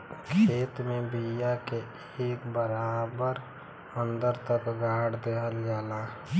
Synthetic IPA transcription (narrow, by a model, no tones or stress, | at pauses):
kʰeːt̪mẽbijake | eːkbəɾaːbəɾ | ə̃nd̪əɾt̪əkɡʱaːɽd̪eːɦəlɡaːlaː